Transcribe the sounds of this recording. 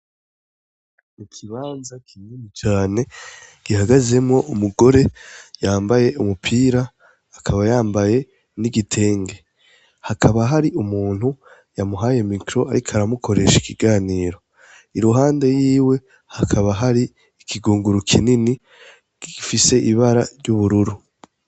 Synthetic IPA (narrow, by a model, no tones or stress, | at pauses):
ikʰiβaːnzakʰininit͡ʃaːne̞ɡ̥ihaɡaze̞mŋo̞ʔumuɡo̞ɾe̞jaːmbaje̞ʔumupʰiːɾaː | kʰaβajaːmbaje̞ | niɡitʰe̞ːŋɡe̞ | hakʰaβaɦaɾiʔumuːn̥hu | jamuɦaje̞mikɾo̞aɾikʰaɾamukʰo̞ɾe̞̰ʃikiɡaːniːɾo̞ | iɾuɦaːnde̞jiːwe̞ | hakʰaβaɦaɾi | ikʰiɡuːŋɡuɾukʰḭnini | ɡ̥ifise̞ʔiβaɾaɾjuβuɾuɾu